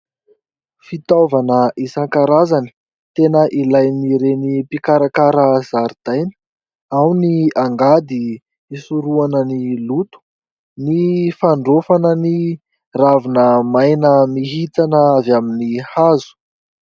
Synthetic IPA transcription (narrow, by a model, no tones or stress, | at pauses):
fit̪ovanəʔisaŋkaɾazanə̥ | t̪enəʔilajniɾenipikaɾakaɾəz̥aɾid̪̥ajnə̥ | awniaŋɡad̪i | isuɾuanənilut̪u̥ | nifaɳɖ͡ʐofanəni | ravinəmajnəmiɦit̪anəavaminihazu̥